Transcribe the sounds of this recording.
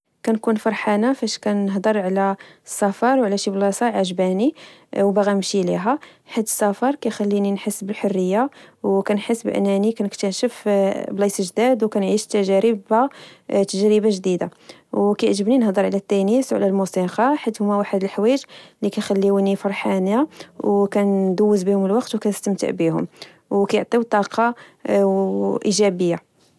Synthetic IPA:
kænkunfɑɾˤħanafæʃkænəɦd̪ˤəɾˤʕlæsːɑfɑɾˤwʕlæʃiblɑsɑʕaʒbæniwbaɣæmʃiliɦæ | ħad̪ːəsˤːɑfɑɾˤkæjxælːininħəsːbəlħorːəjːawkænħəsːbʔə̰nːænikænəkt̪əʃəfblɑsəʒd̪æd̪wkænʕiʃt̪æʒæɾəbat̪ːəʒɾəbaʒd̪id̪a̰ | wkæjʕʒəbninhd̪ˤəɾʕlæt̪ːænisʕlælmusiqɑħad̪hʊmæwaħəd̪əlħwæʒlikæjxælːiwnifɑɾˤħanawkænd̪ʊwːəzbihʊməlwɑqt̪wkænəst̪əmt̪ə̰ʕbihʊ̰m | wkæjʊʕt̪ˤit̪ˤːɑqɑ | ʔiʒæbəjːa

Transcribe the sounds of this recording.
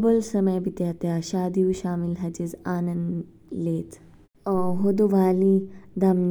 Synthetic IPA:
bəlsəməjbʱit̪jat̪jaɕaːd̪iuɕaːmilɦɐt͡ɕizaːnɐnd̪ | leːt̪ | ɦod̪uʋaːlid̪ɐm

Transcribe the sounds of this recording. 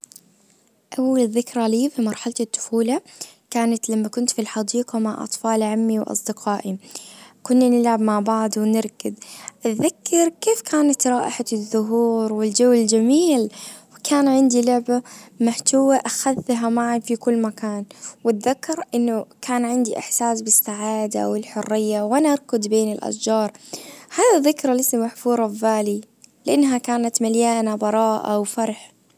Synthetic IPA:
ʔawːalɪðɪkɾˤɑliːfimɑɾˤħalt̪ɪt̪ːʊ̥fuːlakaːnat̪lamːakʊnt̪filħɑd̪iːqɑmaʕʔɑ̰t̪ˤfɑːlʕamːiwʔɑ̰sˤd̪ɪqɑːʔikʊnːanɪlʕabmaʕbaʕd̪wnɪɾkɪd̪ʔɪðakːɪɾkːeːfkʰaːnat̪ɾˤɑːʔɪħaðːʊɦuːɾwɪld͡ʒawːɪld͡ʒamiːlwkʰaːnʕɪnd̪ilʊʕbamaħt̪awaʔaxaðːɦamaʕanfikʊlːmakaːnwɪt̪ðakːɑɾˤʔɪnːʊkʰaːnʕɪnd̪iʔɪ̰ħsaːsbɪsːaʕaːd̪a̰wɪlħʊrːɪjːawʔanaʔɑɾˤkʊd̪beːnɪlʔa̰sd͡ʒɑːɾˤhaːðaðːɪkɾˤalɪsːamaħfuːɾˤɑbvaːli | lɪʔanːɦakaːnat̪maljaːnabɑɾˤɑːʔa̰wfɑɾˤħ

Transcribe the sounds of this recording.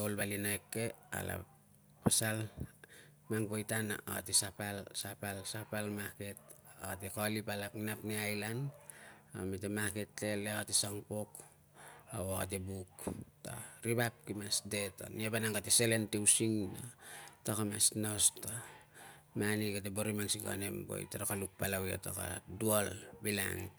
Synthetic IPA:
olbalinaekːea̰la̰ | pasal | maŋpojtana̰ʔa̰tisapalsapalsapalmaketat̬ikalipalaknapneajlan | a̰mit̬emaketlelekatisaŋpok | awaa̰t̬ebukta̰ɾiβap̚kimasde̞to̰niapanaŋɡateselentewsiŋnatakama̰snosta | maniɡat̬eboɾimaŋsiɡa̰nembo̰j̰taɾakaluk̚palawjetoka̰duolbila̰ŋ

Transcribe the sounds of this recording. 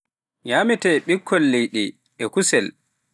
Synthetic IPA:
ɲamɛtɛɓikʰːɔlːɛjɗɛ | ʔɛkusɛl

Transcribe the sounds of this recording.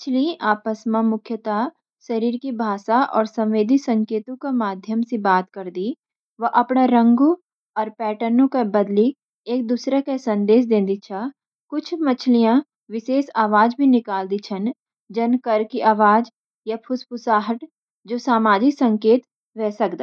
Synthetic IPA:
ɪt͡ʃʰliʔaːpəsmãmʊkʰjət̪a | ʃɐɾiːɾkibʱaːʃaʔɔ̰ːɾsɐ̃mʋeːd̪ʱisɐ̃ŋkeːt̪õkamaːd̪ʱjəmsebaːt̪kɐɾd̪i | ʋɐʔɐpnaɾə̃ŋɡõ | ɔːɾpɛːʈənõkebɐd̪li | eːk̚d̪uːsɾekesɐ̃nd̪eːʃ̬d̪ẽːnd̪it͡ʃʰa | kʊt͡ʃʰmɐt͡ʃʰlijã | ʋɪseːsaːʋaːd͡ʒbʱinɪkaːld̪it͡ʃʰən | d͡ʒɐnkəɾkiʔaːʋaːd͡ʒ | japʰʊspʊsaːɦəʈ | d͡ʒoːsaːmaːd͡ʒɪksɐ̃ŋkeːt̪ | ʋɛːsɐkd̪aː

